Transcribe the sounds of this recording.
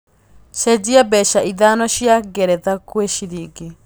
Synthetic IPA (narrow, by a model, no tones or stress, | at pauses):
ʃed͡ʑiabɛʃaʔiðanɔʃjaɡɛɾɛðakweʃiɾiɡe